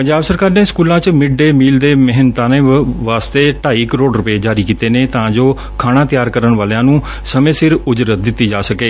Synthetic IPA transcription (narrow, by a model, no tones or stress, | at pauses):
pə̃ɲd͡ʒaːbsəɾkaːɾneːskuːlãːt͡ʃmɪɖɖeːmiːld̪eːməɦɪnt̪ãːneːʋaːst̪eːʈaːiːkəɾoːɖɾʊpeːd͡ʒaːɾiːkiːt̪eːneːt̪ãːd͡ʒoː | kʰaːɽ̃ãːt̪ɪjaːɾkəɾəɳʋaːljãːnũː | səmẽːsɪɾʊd͡ʒɾət̪̚d̪ɪt̪ːiːd͡ʒaːsəkeː